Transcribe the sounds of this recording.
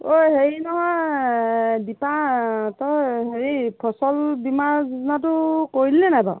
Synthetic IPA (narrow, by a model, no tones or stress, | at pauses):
ojheɹinɔɦɔj | dipatɔɦeɹipʰɔsɔlbimaɹznat̬ʊkoɹilːɛnajbɔ̰